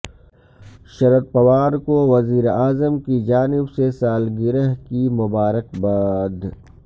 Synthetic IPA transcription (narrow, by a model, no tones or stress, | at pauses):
ʃɐɾət̪̚pɐʋaːɾkoʋɐziːɾaːzəmkid͡ʒaːnɪbsesaːlɡɪɾəɦkimʊbaːɾəkbaːd̪